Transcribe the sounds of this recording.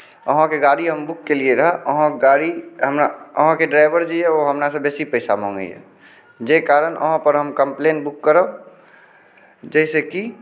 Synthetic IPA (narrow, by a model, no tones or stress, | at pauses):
əɦãkeɡaɽiɦəmbʊkːelieɾəɦəəɦãɡaɽiɦəmnaəɦãkeɖɾaɪbəɾd͡ʒiɛoɦəmnasebeːsipəɪsamɔ̰̃ːŋɡə̰ɦɛ̰ | d͡ʒekaɾənʔə̰ɦãpəɾɦəmkəmpleːnbukːəɾə | d͡ʒəɪseki